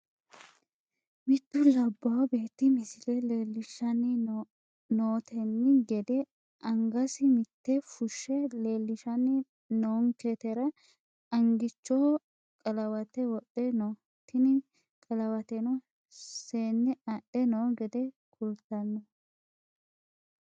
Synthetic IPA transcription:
mɪt̪ːʊlɐbːɐwbe̞ːt̪ːɪmɪsɪlɛleːlːɪʃɐnɪ | noːt̪ʰɛnːɪɡɛd̪ɛ | ʔɐŋɡɐsɪmɪt̪ːɛfʊʃːɛle̞ːlːɪʃɐnɪ | noːŋket̪ɛɾɐ | ɐŋɡɪt͡ʃːo | kʼɐlɐwɐt̪ɛwɔɗːɛno | t̪ːɪnɪ | kʼɐlɐwɐt̪ɛnɔ | seːnːɪɐɗɛnoːɡɛd̪ɛ | kʼʊlt̪ːɐnːɔ

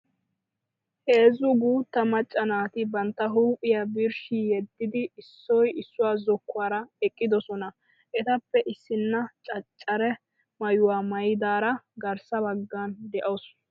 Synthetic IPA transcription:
he̞ːzʊɡuːt̪ːɐmɐt͡ʃʼːɐnaːt̪ɪbɐnt̪ːɐɦuːpʼɪjabɪɾʃijɛd̪ːɪd̪ɪɪsːɔjɪsːʊwaːzɔkːʊaːɾɐɛkʼːɪd̪ɔsɔnɐ | ʔɛt̪ɐpːɛʔɪsːɪnːɐt͡ʃʼɐt͡ʃʼːɐɾɛ | mɐjʊwaːmɐjɪd̪aːɾɐɡɐɾsɐbɐɡːaːnd̪ɛʔɐws

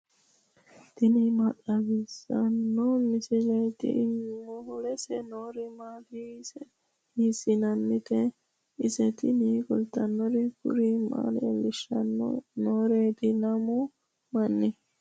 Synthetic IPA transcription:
t̪ɪnɪmɐtʼːɐbɪsɐnːɔmɪsɪd͡ʒɛjt̪ɪ̰ʔɪmːɔhʊlɛsɛnoːɾɪmaːtisɛ | hisɪnɐnːɪt̪ɛ | ɪsɛt̪ɪniːkʊlt̪ːɐnːɔɾɪkʊ̰ɾɪma̰ːlɛlːɪʃːɐnːɔ̰noːɾeːt̪ɪnɐmɔ | mɐnːɪ

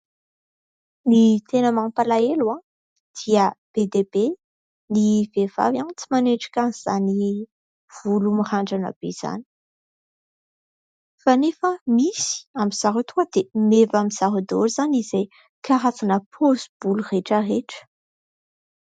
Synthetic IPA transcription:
nit̪enamampalaelwa | d̪̥iəb̥ed̪ebe | nivev̥a̰vjant͡simaneʈ͡ʂḁkanz̥a̰ni | v̥ulumiraɳɖ͡ʐanə̰b̥ḛz̥a̰ni̥ | fanefəmisi̥amiz̥aɾut̪uəd̪emevamiz̥aɦud̪oɾz̥anizaj | kʰaɦat͡sanəpʰozub̥ulureʈ͡ʂəɦeʈ͡ʂə̥

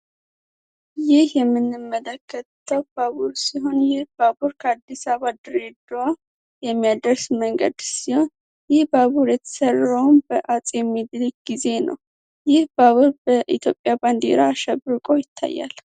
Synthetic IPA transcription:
jɪhjɛmːɨnːɨmːələkʰːət̪ʰːəwbaβuɾsiɦo̞njɪhbabuɾkʰəad̪ːisaβad̪ɨɾed̪wa | jɛmːijad̪əɾsməŋɡə̰d̪siho̞n | jɪhbaβuɾjɛt̪ʰə̥sərəwmbəʔat͡sʼjɛmːid̪lkɡize̞nə̰w | jɪhbaβuɾbəʔit̪ʰjo̞̰pʼːjaband̪ḛɾaːʃɛbɾɨkʼojɪt̪ʰːa̰jːa̰l

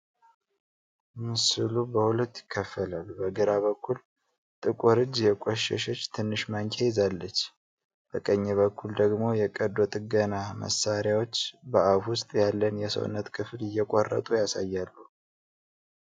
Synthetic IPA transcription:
mɨsɨlubəhulət̪ːjɪ̥kʰːəfəlalːubəɡɨɾaβəkʰːul | t̪ʼɨkʼuɾɨd͡ʒjɛkʷʼɔʃɛ̰ʃət͡ʃːt̪ʰɨnːɨʃmaŋkʲʰʼejɪzalːət͡ʃː | b̥əkʼəɲːɛβəkːuld̪əɡmo̞jɛkʼəd̪ot̪ʼɨɡənamə̰sːaɾjawo̞t͡ʃːbəʔafwʊst̪ʼjalːənjɛsə̰w̰nːət̪kʰɨflɪjːɛkʷʼorːə̰t̪ʼujasajːalːu

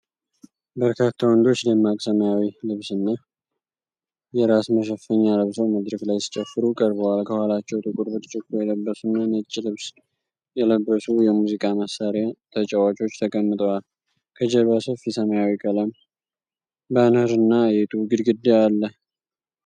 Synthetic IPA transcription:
bəɾkʰat̪ʰːawɔnd̪o̞t͡ʃːləmat̪ʼsəməjawilɨβsɨnːa | jɛɾasməʃəfəɲːaləβsəwməd̪ɾəklajsi̥t͡ʃʼəfːɨɾukʼəɾbəwalkʰəhalat͡ʃːɛwt̪ʼɨkʼuɾbɨt̪ʼt͡ʃʼɪkːojɛləbːəsunːanɨt͡ʃʼːilɨβs | jɛləbɾəsujɛmuzikʼaməsaɾat̪ʰət͡ʃʼɛwat͡ʃʼo̞t͡ʃːt̪ʰəkʼəmːɨt̪ʼəwal | kʰəd͡ʒɛβasəfisəməjawikʼələm | bənəɾɨnːajɛt̪ʼuɡɨd̪ɡɨd̪ːealːə

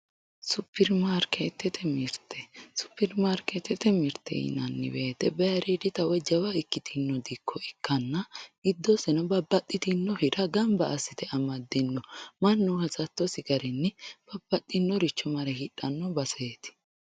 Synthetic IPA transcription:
sʊpʰːɪɾmaɾket̪ːɛt̪ʰɛmɪɾt̪ʰɛsʊ̥pːɪɾmaɾket̪ːɛt̪ɛmɪɾt̪ːɛ̰ɪ̰nɐnːɪ̰beːt̪ɛbɛjɐɾid̪ɪt̪ɐwɛd͡ʒɐwɐɪkːɪt̪ʰɪnːɔd̪ɪkʰːɔɛkːɐnːɐɡɪd̪ːɔsɛnɐbɐbːɐt̪ʼːɪt̪ɪnːɔhɪᶑɐɡɐmbɐʔːsːɪt̪ɛʔɐmɐd̪ːɪnːɔmɐnːuhɐsɐt̪ːɔsɪɡɐɾɛnːɛb̥ɐb̥ːɐt̪ʼːɪnːɔɾɪt͡ʃːɔmɐɾɛhɪᶑɐnːɔbɐseːt̪ɪ̥

